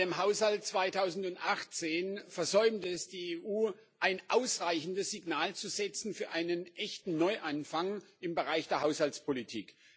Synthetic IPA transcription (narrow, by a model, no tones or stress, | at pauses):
eːmɦaʊshalt̚t͡sv̥aɪtʰaʊzn̩tʊntʔaχt͡seːnfɛɐzɔʏmtəɛsd̥iːeːʔuː | ʔaɪnʔaʊsʁaɪçn̩dəsz̥iɡnaːlt͡suzɛt͡sn̩fyːɐʔaɪnənʔɛçtn̩nɔʏʔanfaŋɪmbəʁaɪçd̥eːɐɦaʊshalt͡spʰolitʰḭːk